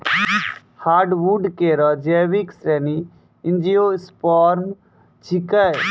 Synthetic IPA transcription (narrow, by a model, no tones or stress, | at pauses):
haːɖʋuɖkeɾɔd͡ʒɛːʋiksɾɛni | ɪnd͡ʒijospɔɾm | t͡ʃʰikəj